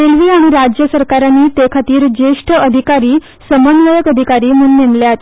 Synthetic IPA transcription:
elʋiːaɽ̃iɾad͡ʑjəsəɾkaɾanːiːt̪ekʰat̪iːɾd͡ʑeʂʈʰəəd̪ʱikaɾiː | səmənʋəjəkəd̪ʱikaɾiːmuːnːemljeat̪e

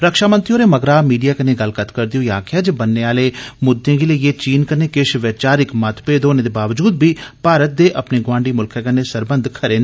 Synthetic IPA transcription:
ɾəkʃaːmənt̪ɾioːɾeːməɡɾaːmiːɖijaːkəneːɡəlkət̪kəɾd̪ijõːjaːkʰɪaːd͡ʒəbənːeːaːleːmʊd̪ːẽːkeleːjeːt͡ʃiːnkəɾneːkɪʃʋɛt͡ʃaːɾɪkmət̪ʰpeːd̪oːneːd̪eːbaːʋd͡ʒuːd̪̚biːpaːɾət̪̚d̪eːʔəpneːɡʊʋãːɳɖiːmʊlkʰɛːkənːeːsəɾbənd̪kʰəɾeːn

